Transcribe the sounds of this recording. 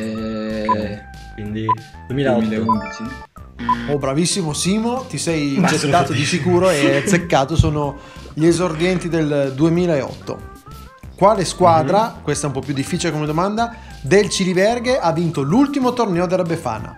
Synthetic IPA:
ɛ | kwind̪i | milud̪ii | obːɾavisːimosiːmot̪isɛjint͡ʃet̪ːaːt̪od̪isikuːɾoesekːaːt̪osoːno | ʎezord̪jɛnt̪id̪eld̪uemiːlaeɔ̰t̪ːo̰ | kwaːleskwaːd̪ɾakwest̪aɛumpɔpːjud̪ːifːiːt͡ʃilekomed̪omand̪a | d̪elt͡ʃilibɛrɡeʔavːint̪olult̪imot̪ornɛːod̪elabefa̰ːna̰

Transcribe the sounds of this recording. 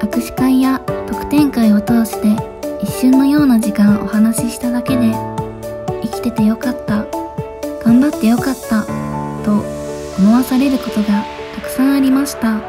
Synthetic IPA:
akɯ̟ɕi̥kãɰ̃jat̪o̞kɯ̟̥t̪ẽ̞ŋkaio̞t̪o̞ːɕi̥t̪e̞ | iɕːɨ̃nːo̞jo̞ːnaʑikãɰ̃ʔo̞̰hanaɕiɕi̥t̪ad̪ake̞d̪e̞ | ikʲi̥t̪e̞t̪e̞jo̞kat̪ːa | ɡ̥ãmbat̪ːe̞jo̞kat̪ːat̪o̞ | omoβasaɾe̞ɾɯ̟ko̞t̪o̞ɡa | t̪akɯ̟̥sãɰ̃aɾʲimaɕi̥t̪a

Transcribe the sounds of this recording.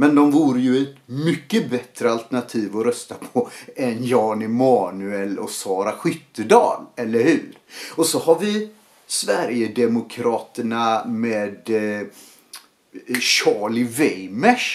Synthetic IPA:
mɛnd̪ɔmvuːɾəjɵɛt̪mʏkːəbɛt̪ɾəalt̪əɳat̪ʰiːvɔɾœst̪apʰɔɛnjɑːnɪmɑːnʉɛlɔsɑːɾaɧʏt̪ːəd̪ɑ̰ːlɛlːəɾhʉ̟ːɾɔsɔhaɾvɪ | svæɾjəd̪ɛmʊkʰɾɑːt̪əɳameːd̪ | ɕɑːɭɪvɛjmɛʂ

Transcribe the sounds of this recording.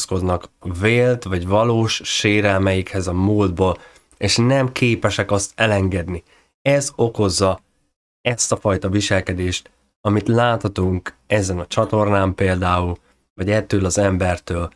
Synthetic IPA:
sko̞d̪nɒkveːlt̪ʋɒɟvɒloːʃːeːɾɛlmɛjikhɛzɒmuːld̪boːl | eːʃnɛmkʰeːpɛʃɛkɒst̪ɛlɛŋɡɛd̪ni | ɛzo̞ko̞zːɒ | ɛst̪ɒfɒjt̪ɒviʃɛlkɛd̪eːʃt̪ | ɒmit̪laːt̪hɒt̪uŋkɛzɛnɒt͡ʃɒt̪o̞rnaːmpeːld̪aːul | vɒɟɛt̪ːøːlɒzɛmbɛrt̪øːl

